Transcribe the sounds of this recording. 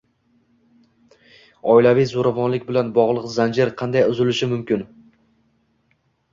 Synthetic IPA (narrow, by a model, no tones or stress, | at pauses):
ɒɪlavijzoɾavɒnlɪk̚ʲbɪlanbɒʁlˠɨqzand͡ʒɪɾqʰɑnd̪ajʊzɪlɪʃɪmʊmkʲɪn